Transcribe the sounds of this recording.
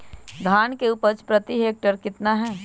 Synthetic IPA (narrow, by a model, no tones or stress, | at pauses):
d̪ʱaːnkeuːpəɾt͡ʃpɾət̪iɦeːk̚ʈəɾkɪt̪naɦɛː